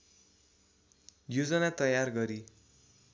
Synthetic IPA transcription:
jod͡zʌnat̪ʌjarɡʌɾi

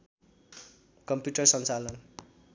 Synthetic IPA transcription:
kʌmpjuʈʌrsʌnt͡salʌn

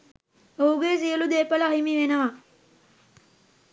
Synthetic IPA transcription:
ouɡesijəlud̪eːpəlaɦimiʋenəʋa

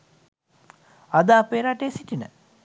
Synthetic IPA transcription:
ad̪aːpeːɾaʈejsiʈinə̰

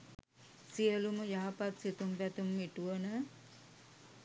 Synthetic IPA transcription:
sijəluməjaɦapat̪sit̪umpɛt̪umːiʈuʋɐnə

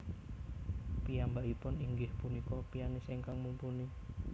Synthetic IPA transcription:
pijambaʔipʊniŋɡɪhpunikɔpijanɪseŋkaŋmumpuni

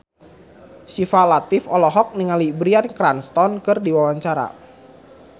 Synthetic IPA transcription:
sifalat̪ɪfɔlɔɦɔk̚niŋalibɾiankɾanst̪ɔnkɨrdiwawaɲt͡ʃaɾa̰

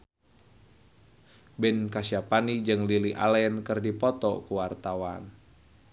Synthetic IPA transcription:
bɛnkasiapanid͡ʒɨŋliliʔa̰lɛnkɨrdipɔt̪ɔkuwart̪awan

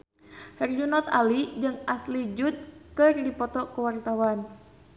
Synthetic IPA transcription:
hɛrd͡ʒunɔt̪alid͡ʒɨŋaslid͡ʒut̪̚kɨrdipɔt̪ɔkəwart̪awan

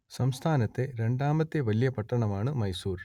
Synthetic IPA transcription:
sɐmst̪ʰaːnɐt̪ːe̞ɾe̞ɳɖaːmɐt̪ːeʋɐlijɐpɐʈːɐɳɐmaːɳɨmɐjsuːɾ

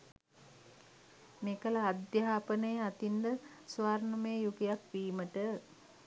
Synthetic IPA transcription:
meːkəlaːd̪jaɦaːpənəjəat̪ind̪əsʋaːɾnumeːjuɡijakʋiːməʈə

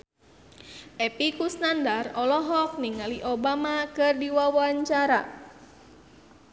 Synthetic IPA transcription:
ʔɛpikusnandarɔlɔɦɔk̚niŋaliʔobamakɨrdiwawaɲt͡ʃaɾa̰

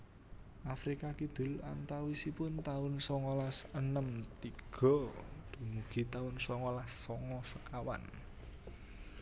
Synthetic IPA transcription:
ʔafɾikakid̪̥ʊ̤la̰nt̪awisipʊnt̪aʊnsɔŋɔlasənəmt̪iɡ̥ɔ̤d̪̥ṳmuɡ̥i̤t̪aʊnsɔŋɔlasːɔŋɔsəkawa̰n

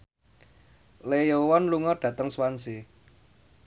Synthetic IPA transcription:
lejowɔnluŋɔɖ̥ä̤t̪əŋswansi

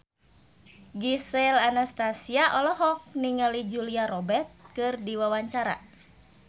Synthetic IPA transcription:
ɡisɛlanast̪asiaʔɔlɔɦɔk̚niŋalid͡ʒuliaɾɔbɛrt̪̚kɨrdiwawaɲt͡ʃaɾa̰

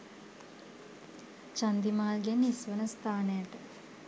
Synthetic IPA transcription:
t͡ʃand̪imaːlɡɛnisʋənəst̪aːnəjaʈə

